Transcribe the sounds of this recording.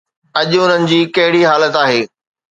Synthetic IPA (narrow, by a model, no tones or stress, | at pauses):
ɐʄʊʊn̤ənɪ̆d͡ʑiːkɐɦɪɽiɦaːlət̪aːɦeː